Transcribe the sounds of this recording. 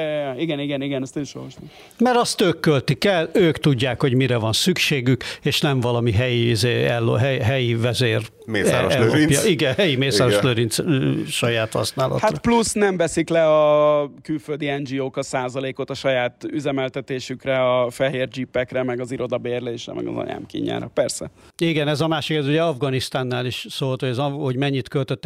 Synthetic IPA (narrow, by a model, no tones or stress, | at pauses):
iɡɛniɡɛniɡɛnɛst̪eʃo̰ɾoʃt̪o | mɛɾɒst̪øːkːølt̪ikɛløːkt̪uɟːaːkho̞ɟmiɾɛvɒnsykʃeːɡykeːʃnɛɱvɒlɒmiɦɛjiizeːɛlːoɦɛjɦɛjivɛzeːr | eɛɛopjɒ̰iɡɛhɛjimeːssaɾoʃløɾint̪sʃɒjaːt̪hɒ̰snaːlɒ̰tharɔplusnɛɱvɛsiklɛɒkylføld̪iɛnd͡ʒioːkɒsaːzɒleːko̞t̪ɒʃɒjaːt̪yzɛmɛlt̪ɛt̪eːʃykrɛɒfɛɦeːrd͡ʒipːɛkrɛmɛɡɒziɾo̞d̪ɒbeːrleːʃrɛ̰mɛ̰ɡɒ̰zɒ̰ɲa̰ːmkḭːɲa̰ːɾɒ̰pɛrsɛ | iɡɛnɛzɒmaːʃikɛzuɟɛɒvɡɒnist̪aːnːaːliʃsoːlt̪hojɛzɒho̞ɟmɛɲːit̪kølt̪øt̪ːɛ